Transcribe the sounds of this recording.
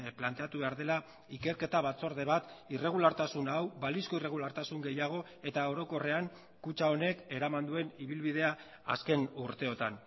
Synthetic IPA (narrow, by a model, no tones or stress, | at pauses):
plant̪e̞at̪uβe̞aɾðe̞la | ike̞ɾke̞t̪aβ̞at͡so̞ɾð̞e̞β̞at̪ire̞ɣ̞ulaɾt̪asunawβalisko̞ire̞ɣ̞ulaɾt̪asuŋɡe̞jaɣ̞o̞ | e̞t̪ao̞ɾo̞ko̞re̞aŋ | kut͡ʃao̞ne̞ke̞ɾamand̪ue̞niβilβið̞e̞a | a̰ske̞nuɾt̪e̞o̞t̪an